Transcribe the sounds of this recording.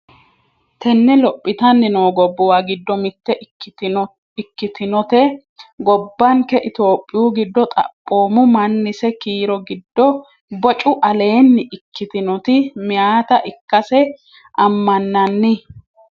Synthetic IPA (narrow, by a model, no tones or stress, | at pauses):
t̪ʰɛnːɛlɔpʼːɪt̪ɐnːɪnoːɡɔbːɔwaɡɪd̪ːɔmɪt̪ːɛ | ɪkːɪt̪ɪnɔt̪ɛ | ɡɔbːɐŋkɛʔɪt̪o̞ːpʼːɪjuːɡɪd̪ːɔt̪ʼɐ̰pʼːo̞ːmʊmɐnːɪsɛkiːɾɔɡɪd̪ːɔ | bɔt͡ʃʼʊʔɐle̞ːnːɪʔɪkːɪt̪ɪnɔt̪ɪmɪjaːt̪ɐʔɪkːɐsɛ | ʔɐmːɐnːɐnːɪ